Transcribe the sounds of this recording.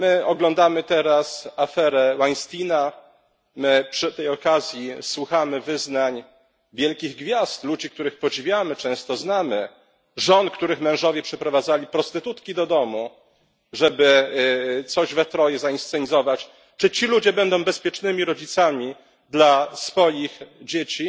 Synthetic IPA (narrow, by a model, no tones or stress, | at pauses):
mɘɔɡlɔnd̪amɘt̪ɛɾasafɛɾɛwaɲst̪ʲina | mɘpʂɘt̪ɛjɔkazʲjiswuxamɘvɘznaɲ | vʲjɛlkʲiɣɡvʲjast̪lud͡ʑik̚t̪uɾɘxpɔd͡ʑivʲjamɘt͡ʂɛ̃w̃st̪ɔznamɘ | ʐɔnkt̪uɾɘxmɛ̃w̃ʐɔvʲjɛpʂɛpɾɔvad̪zalʲipɾɔst̪ɘt̪ut̪kʲid̪ɔd̪ɔmu | ʐɛbɘ | t̪sɔʑvɛt̪ɾɔjɛzainst̪ɛɲizɔvat͡ɕ | t͡ʂɘt͡ɕilud͡ʑɛbɛnd̪ɔ̃w̃bɛspʲjɛt͡ʂnɘmʲiɾɔd͡ʑit̪samʲi | d̪lasfɔjixd͡ʑet͡ɕi